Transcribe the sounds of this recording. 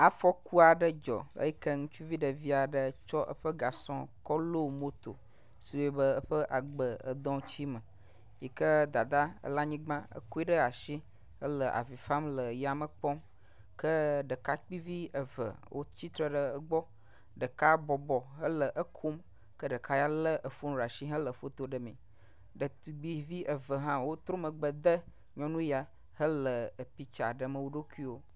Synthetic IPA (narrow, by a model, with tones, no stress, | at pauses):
a˨fɔ˦ku˦a˨ɖə˦d͡ʒɔ̰˨ə̰˦jɛ˦kə˦ŋũ˦t͡ʃu˦vi˦ɖə˨vi˦a˨ɖə˦t͡ʃɔ˦ʔə̰˦ɸə˦ɡa˨sɔ̃˦kɔ˦lo˦˨mo˦t̪o̰˨ | si˨we˦bə˦ə˦ɸə˦ʔa˨ɡ͡bə˨ə̰˨d̪ɔ̃˦t͡ɕi˦mə˨ | ji˨kə˦d̪a˨d̪a˦ə̰˦la˦ɲĩ˦ɡ͡bã˦ə̰˦ku˦i˦ɖə˦a˨ʃi˦ | ə˦lə˨ʔa̰˨vi˨fa˦mlə˨ja˨mə˨k͡pɔ˦m | kə˦ɖə˨ka˦k͡pi˦vi˦ə˨və̰˨wʔo̰˦t͡ɕi˦t̪ɾə˦ɖə˨ə˦ɡ͡bɔ˦ | ɖə˨ka˦bɔ˨bɔ˨ɦə˦lə˨ʔə˦kʰu˦m | kə˦ɖə˨kʰa˦ja˦lə˦ʔə˨fu˦nũ˦ɾa˨ʃi˦ɦə˦lə˨fo˦t̪o˨ɖə˨mḛ̃˨ | ɖə˨t̪u˨ɡ͡bi˦vi˦ʔə˨və˨ɦã˦wo˦t̪ɾo˦mə˨ɡ͡bə˨d̪ə˦ | ɲɔ̃˦nũ˦ja˨ | hə˦lə˨ə˨pi˦t͡ʃa˨ɖə˨mə̃˨wo˦ɖo˦ku˦i˦wo˦